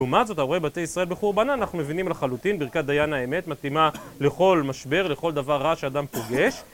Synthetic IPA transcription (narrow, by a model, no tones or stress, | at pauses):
umatzo̞t̪aebat̪ejisʁae̞lbeχuʁbanaːnaχnumevinimlaχalut̪inbiʁkat̚d̪ajanaeme̞t̪mat̪ima | le̞χo̞lmaʃbe̞ʁle̞χo̞ld̪avaʁːaʃead̪ampo̞ɡe̞ʃ